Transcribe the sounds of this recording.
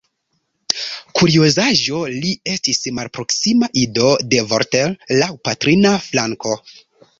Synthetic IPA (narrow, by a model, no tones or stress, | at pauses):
kuɾiozaʒo̞lie̞stismalpɾo̞ksimaʔido̞de̞voɾtelːawpatɾinaflaŋko̞